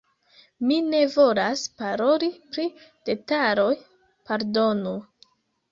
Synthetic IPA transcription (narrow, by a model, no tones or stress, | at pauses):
mine̞vo̞laspaɾo̞lipɾid̥e̞taɾo̞j | paɾdo̞nu